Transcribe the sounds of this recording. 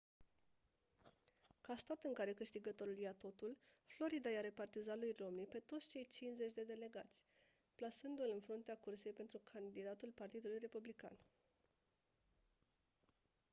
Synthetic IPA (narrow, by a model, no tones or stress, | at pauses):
kast̪at̪ɨŋkaɾe̞kɨʃt̪iɡət̪o̞ɾuljat̪o̞t̪ulflo̞ɾid̪ajaɾe̞part̪izalujro̞mnipe̞t̪o̞t̪st͡ʃe̞jt͡ʃinze̞t͡ʃʲd̪e̞d̪e̞le̞ɡat̪sʲ | plasɨnd̪uɨlɨnfɾunt̪eakurse̞jpent̪ɾukʰand̪id̪at̪ulpart̪id̪ulujre̞publika̰n